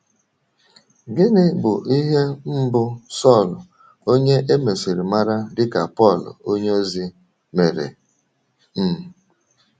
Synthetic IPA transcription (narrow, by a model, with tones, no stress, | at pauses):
ɡɪ˦nɪ˦bʊ˨ʔi˦ɦe˦m̩˦bʊ˦sɔ˦˨lʊ˨ | o˦ɲe˦ʔe˦me˨si˨ɾi˨ma˦ɾa˦dɪ˦ka˨pɔ˦˨lʊ̰˨o˦ɲ˦o˦zi˦ | me˨ɾḛ˨ | m̩˦˨